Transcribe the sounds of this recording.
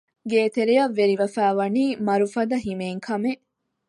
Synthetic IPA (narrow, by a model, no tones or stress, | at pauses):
ɡeːt̪eɾijɐʋːeɾiʋɐfæːʋɐniːmɐɾufɐd̪ɐɦimeŋkʰɐme